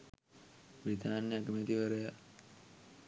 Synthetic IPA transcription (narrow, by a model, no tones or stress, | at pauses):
bɾid̪ʱaːnjaɡəmet̪iʋəɾəja